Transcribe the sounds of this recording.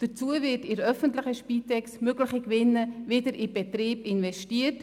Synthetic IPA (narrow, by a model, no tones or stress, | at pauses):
d̥ət͡suəvɪtɪɾœfəntlɪχəʃpiːtɛksmøɡlɪχəkvɪnːəvɪdəɾʔɪb̥ɛtriːbɪnvɛstiːət